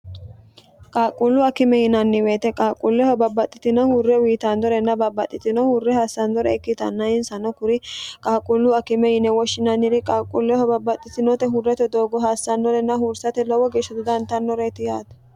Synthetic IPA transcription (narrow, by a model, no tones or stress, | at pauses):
kʼaːkʼːʊlːʊɐkɪmɛjɪnɐnːɪweːt̪ɛkʼaːkʼulːɛhɔbɐbːɐt̪ʼːɪt̪ɪnɐhʊrːɛwiːt̪and̪ɔɾɛnːɐbɐbːɐt̪ʼːɪt̪ɪnɔhʊrːɛhaːsːɐnd̪ɔɾɛɛkːɪt̪ɐ̰nːɐɪnsɐnɔkʊɾɪkʼaːkʼʊlːʊɐkɪmɛjɪnɛwɔʃːɪnɐnɪɾɪkʼaːkʼulːɛhɔbɐbːɐt̪ʼːɪt̪ɪnɔt̪ɛɦʊrːɛt̪ɛd̪oːɡɔɦaːsːɐnːɔɾɛnːɐhʊɾsɐt̪ɛlɔwɔɡeːʃːɐt̪ʊd̪ɐnt̪ɐnːɔɾɛt̪ɪjaːt̪ɐ̥